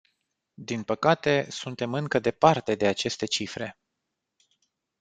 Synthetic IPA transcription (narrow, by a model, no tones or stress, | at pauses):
d̪inpəkat̪e̞sunt̪e̞mɨŋkəd̪e̞part̪e̞d̪e̞at͡ʃe̞st̪e̞t͡ʃifɾe̞